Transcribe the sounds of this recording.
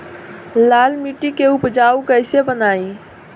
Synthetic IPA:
laːlmiʈikeʊpd͡ʒaːukəɪsebənaːĩ

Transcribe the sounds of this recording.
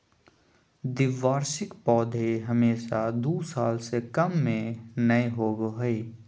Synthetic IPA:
d̪ɪʋaːɾsɪkpɔːd̪ʱeɦəmeːʃad̪uːsaːlsekəmːẽnəeɦoːɡɦʊe

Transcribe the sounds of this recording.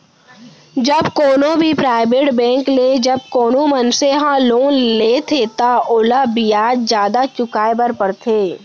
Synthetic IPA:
d͡ʒəbkoːnõbʱipɾaːɪbeːʈbɛ̃ːŋkleːd͡ʒɐb̚koːnõmənseɦãloːnleːt̪ʰeːt̪aʔʊlabijaːd͡ʒzjaːd̪at͡ʃʊkaːebəɾpəɽt̪ʰeː

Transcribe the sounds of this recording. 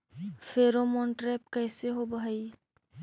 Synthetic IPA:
fʰeːɾomɔ̃ːɳʈɾɛːpkɛːseɦobai

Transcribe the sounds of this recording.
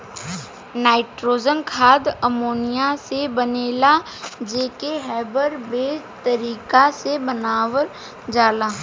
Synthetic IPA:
naːɪʈɾoːd͡ʒənkʰaːd̪əmoːnijasebəneːla | d͡ʒeːkeɦɛːbəɾbeːd͡ʒt̪əɾiːkasebənaːwəɾ | d͡ʒaːlaː

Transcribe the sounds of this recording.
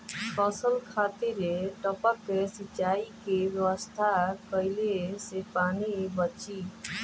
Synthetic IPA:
kəsəlkʰat̪iɾeʈəpəkːesit͡ʃaikebjəwəst̪ʰakəjlesepanibət͡ʃi

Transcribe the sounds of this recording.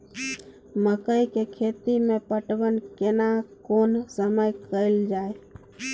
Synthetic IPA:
məkəjkekʰet̪imepəʈbənkenakonsəməjkəɪld͡ʒae

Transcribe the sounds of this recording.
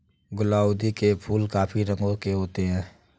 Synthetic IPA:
ɡʊlaːʊd̪ikepʰuːlkaːpʰiɾə̃ŋɡõkeɦoːt̪eɦɛ̃ː

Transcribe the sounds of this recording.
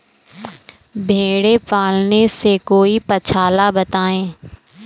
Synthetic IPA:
bʱeːɽepaːlnesekoːipət͡ʃʰaːlabət̪aːẽː

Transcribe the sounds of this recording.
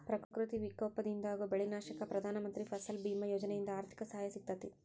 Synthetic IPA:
pɾɐkkɾut̪iʋikoːpɐd̪ind̪aːɡubeɭinaːʃɐkɐpɾɐd̪ʱaːnɐmɐnt̪ɾipʰɐsɐlbiːmɐjɔːd͡ʒɐnɛjind̪ɐaːɾt̪ʰi̥kɐsɐɦaːjɐsit̪ːɐt̪i

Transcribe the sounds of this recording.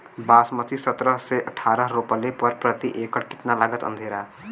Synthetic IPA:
baːsmət̪isət̪ɾəɦseʔəʈʰaːɾəɦɾopəlepəɾpɾət̪iʔeːkəʈkɪ̥t̪nalaɡət̪ə̰nd̪ʱeːɾaː

